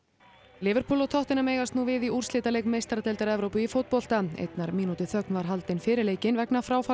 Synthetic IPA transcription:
lɪːvʏɾ̥pʰuːlɔt̪ʰɔht̪ɪnameːjɣast̪nuvɪðiʔur̥slɪːt̪alejkmejst̪ɾat̪ʰɛlt̪aɾɛvɾowpʏifowt̪̚pɔl̥t̪aḛjt̪naɾmiːnut̪ɪθœknvaɾ̥ɦalt̪ɪnfɪːɾɪɾleːjcɪnvɛknafɾaːwfa

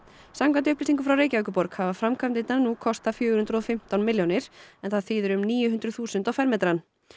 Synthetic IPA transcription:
samkwant̪ɪʏhplisiŋkʏfɾawɾeːjcaœkʏpɔɾkhavafɾamkʰamt̪ɪt̪nanukʰɔst̪afjœːɣhʏnd̪ɾɔfɪm̥t̪awnmɪljownɪɾ̥ɛnθaðθiːðʏɾʏmniːjʏɦʏnd̪ɾʏθuːsʏnt̪awfɛɾmɛt̪ɾan

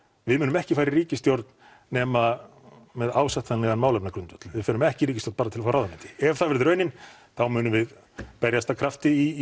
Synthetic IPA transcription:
vɪðmʏːnʏmɛhcɪfaːjɾɪriːcɪst̪joɾt̪n | nɛːma | mɛðaːwsaht̪θanɛɣanmaːwlhœpnakɾʏnt̪vʏt̪l̥vɪðfɛːnʏmɛhcɪɾiːcɪst̪joɾn̥paːɾat̪ʰɪlafaːɾawðamɛnt̪ɪ̥ɛvθaðvɛɾðɪɾœɥjnɪn | θawmʏːnʏmvɪð | pɛɾjast̪ʰakʰɾaft̪ɪi

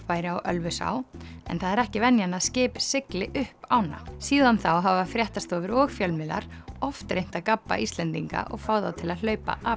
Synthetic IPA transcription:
faːjɾɪawʔœlvʏsa̰ːwɛ̰nθaðɛɾɛhcɪvɛnjanaðscɪːpsɪklɪʔʏhpaːwna̰siːðanθawɦavafɾjɛht̪ast̪oɔːvɪɾɔɣfjœlmɪla̰ɾ̥ɔft̪ɾejn̥t̪aðkapːa̰ʔist̪lɛnt̪iŋka̰ʔɔ̰ɣfaːwðawt̪ʰɪlaðl̥œːɥpa̰ʔa

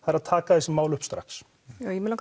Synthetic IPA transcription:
aðɛɾaðt̪ʰaːkaðɛsɪmaːwlʏhpst̪ɾa̰ks | jawjɛmɪlak

